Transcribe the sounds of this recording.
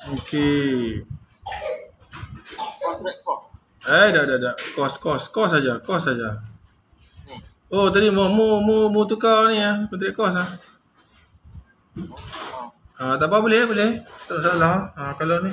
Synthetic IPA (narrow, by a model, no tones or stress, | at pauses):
oke | ajdaʔdaʔdaʔkɔskɔskɔs̬ad͡ʒakɔsad͡ʒa | ot̪adimomumumut̪̬ukalniapənt̪ɾɛʔkɔs̬ah | at̪aʔpabolɛhbolɛht̪alaʔsalaakaloni